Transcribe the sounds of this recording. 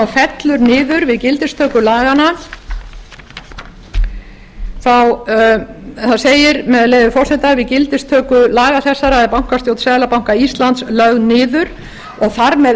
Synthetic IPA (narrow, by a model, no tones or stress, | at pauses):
fɛt̪lʏɾnɪːðʏɾvɪðcɪlt̪ɪst̪ʰœːkʏlaːɣana | θaw | θaðseːjɪɾmɛðaleːjðʏfɔr̥sɛt̪avɪðcɪlt̪ɪst̪ʰœːkʏlaːɣaθɛsːaɾaðɛpawŋ̥kast̪joːwt̪saːðlapawŋkaist̪lant̪slœɣnɪːðʏɾ̥ | ɔɣθaɾmɛ